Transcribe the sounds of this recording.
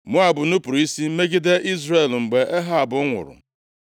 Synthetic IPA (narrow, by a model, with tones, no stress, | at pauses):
mʊ˦a˨bʊ˨nu˦pʊ˨ɾi˦si˦m̩˦me˦ɡi˦de˦ʔi˦zre˨lŋ͡m̩˨ɡ͡be˨ʔe˦ɦa˦a˨bʊ˨˦ŋʷʊ̰˨ɾʊ̰˨